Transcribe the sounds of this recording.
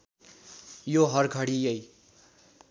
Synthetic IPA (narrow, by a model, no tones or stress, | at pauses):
joɦʌrɡʱʌɽijʌj